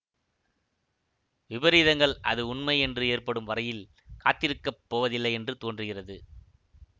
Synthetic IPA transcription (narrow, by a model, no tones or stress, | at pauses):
ʋɪbɐɾiːðɐŋɡɐɭʔɐ̰ðɯʊɳmɐɪɛndrɯeːrpɐɽɯmʋɐɾɐjɪl | kaːt̪ːɪɾɯkːɐpːoːʋɐðɪlːɐɪɛndrɯt̪oːndrɯɣɪrɐðɯ